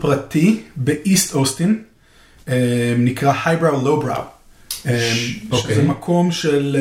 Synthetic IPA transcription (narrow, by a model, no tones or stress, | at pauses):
pʁatibeʔist̪ost̪in | enikʁahajbʁawlowbʁa̰wemozemakʰo̞mʃel